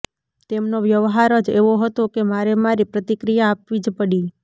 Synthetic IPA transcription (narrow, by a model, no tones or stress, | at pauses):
t̪emnoʋjəʋɦaɾəd͡ʒeʋoɦət̪okemaɾemaɾipɾət̪ikɾijaːpʋid͡ʒpəɽi